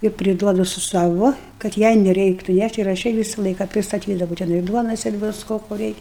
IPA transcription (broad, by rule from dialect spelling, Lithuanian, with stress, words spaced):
ɪr pʲrʲɪˈduɔdʊ sʊ ˈsɑːʋoː kɐt ˈjɛɪ nʲɛˈrʲɛɪktʊ ˈnʲæʃʲtʲ ɪr ɐʃ ˈjɛɪ ˈʋʲiːsɐ ˈlˠɐɪkɐ pʲrʲɪstɐˈtʲiːdɐʋɐʊ tʲɛˈnɐɪ ˈduɔnoːs ɪr ˈʋʲɪskoː koː ˈrʲɛɪkʲ